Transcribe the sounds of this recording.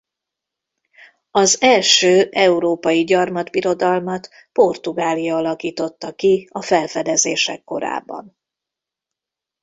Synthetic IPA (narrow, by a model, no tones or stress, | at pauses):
ɒzɛlʃøːʔɛuɾoːpɒjiɟɒrmɒd̪biɾo̞d̪ɒlmɒt̪ | po̞rt̪uɡaːlijɒɒlɒkiːt̪o̞t̪ːɒkiɒfɛlfɛd̪ɛzeːʃɛkːo̞ɾa̰ːbːɒ̰n